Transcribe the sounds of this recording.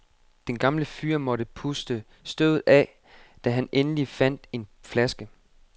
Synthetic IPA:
d̥enɡ̥ɑ̈mləfyːɐmɒ̽ɾəpʰusd̥ə | sd̥øð̰ˠð̩ˠɛ | d̥æɦænenəlifæn̰d̥e̝nflæsɡ̥ə

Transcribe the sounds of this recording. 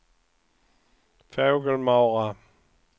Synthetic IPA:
fɛʊɡəlmaʊʁa

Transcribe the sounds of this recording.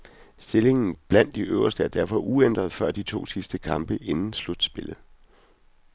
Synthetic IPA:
sd̥e̝le̝ŋn̩b̥læn̰d̥iʔø̰ʊɐsd̥əæɐd̥æɐ̰fɒ̽ʔuend̥ʁɐðˠfɶɐ̰d̥it͡sʰo̝̰ːsisd̥əkʰɑ̈mb̥əʔe̝nn̩slud̥sb̥e̝lð̩ˠ

